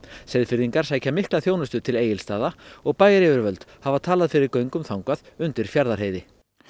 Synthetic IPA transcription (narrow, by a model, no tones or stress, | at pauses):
sejðfɪɾðiŋkaɾ̥saːjcamɪhklaθjoːwnʏst̪ʏt̪ʰɪleːjɪlst̪aːðaɔɣpaːjɾɪvʏɾvœlt̪havat̪ʰaːlaðfɪɾɪɾkœɥŋkʏmθawŋkaðʏnt̪ɪɾ̥fjaɾðaɾheːjðɪ